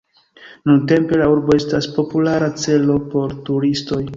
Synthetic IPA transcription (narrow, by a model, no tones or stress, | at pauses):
nunte̞mpe̞lauɾbo̞e̞staspo̞pulaɾat͡se̞lo̞po̞ɾtuɾisto̞j